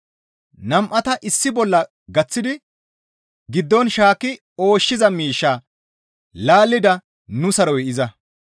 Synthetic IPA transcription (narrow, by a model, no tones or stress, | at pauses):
nɐmʔɐt̪ɐʔɪsːɪbɔlːɐ | ɡɐt͡sːɪd̪ɪ | ɡɪd̪ːɔnʃaːkːɪ | o̞ːʃːɪzɐmiːʃːa | laːlːɪd̪ɐ | nʊsɐɾɔjʔɪzɐ